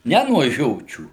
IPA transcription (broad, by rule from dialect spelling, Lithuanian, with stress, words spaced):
ˈnʲɛ nuɔ ˈʒʲoːt͡ʃʲuː